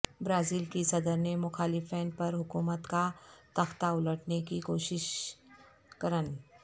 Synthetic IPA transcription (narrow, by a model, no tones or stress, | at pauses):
bɾaːziːlkisɐd̪əɾnemʊxaːlɪfɛ̃ːnpɐɾɦʊkuːmət̪kat̪ɐxt̪aʊləʈnekikoːʃɪʃ | kɐɾən